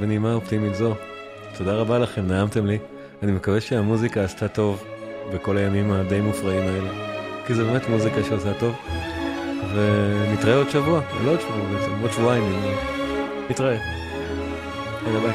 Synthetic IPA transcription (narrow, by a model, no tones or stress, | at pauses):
vnimaoptimitzo̞ | tʰo̞daʁabalaχe̞mnaamte̞mli | animekaveʃeamuzikaːstato̞vbe̞ko̞lajamimad̪e̞jmufʁaimaelekizebe̞metmuzikaʃeasato̞v | venit̪ʁaeo̞dʃavua̰loodʃavuabet͡semodʃvuaimi | nitʁae | enaba